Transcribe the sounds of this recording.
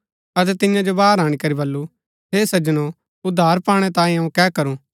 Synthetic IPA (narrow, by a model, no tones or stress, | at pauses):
ɐt̪̬ɛt̪ɪjãd͡ʒobaːɾaːɽ̃ikɐɾibɐlːu | ɦeːsɐd͡ʒəno | ʊd̪ʱːaːɾpãːɽ̃ɛt̪ãːĩɐũkɛːkɐɾũː